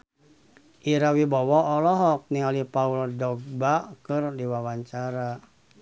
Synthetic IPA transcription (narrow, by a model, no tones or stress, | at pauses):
ʔiɾawibɔwɔɔlɔɦɔk̚niŋalipaulɔdɔɡ̚bakɨrdiwawaɲt͡ʃaɾa